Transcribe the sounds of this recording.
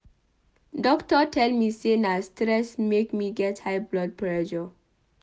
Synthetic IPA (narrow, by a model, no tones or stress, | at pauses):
dɔktɔtʰɛlmisenastɹɛsmekmiɡɛthajblɔd̚pɹɛʃɔ